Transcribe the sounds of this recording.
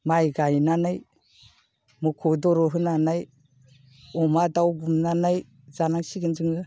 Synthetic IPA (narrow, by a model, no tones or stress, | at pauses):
majɡajnanaj | mukʰɔdɔɾɔɦɯnanaj | ɔmadawɡumnanaj | zanaŋsiɡɯnd͡ʒɯŋɯ